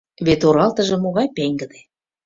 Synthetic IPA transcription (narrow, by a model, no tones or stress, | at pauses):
βet̪oɾɑlt̪ə̆ʒɤ̆moɣɑjpeŋɡə̆d̪e